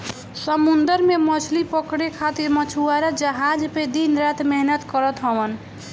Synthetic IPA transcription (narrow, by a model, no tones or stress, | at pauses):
səmund̪əɾmemət͡ʃʰlipəkɽekʰat̪iɾmət͡ʃʰuaɾad͡ʒəɦad͡ʒped̪inɾat̪meɦnət̪kəɾət̪ɦəwən